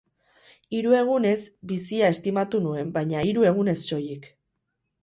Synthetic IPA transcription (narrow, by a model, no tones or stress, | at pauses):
iɾue̞ɣ̞une̞sbisiae̞st̪imat̪unue̞mbajɲaiɾue̞ɣ̞une̞sːo̞jik